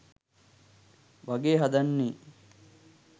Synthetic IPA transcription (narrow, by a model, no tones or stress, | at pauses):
ʋɐɡeːɦɐd̪ɐnːiː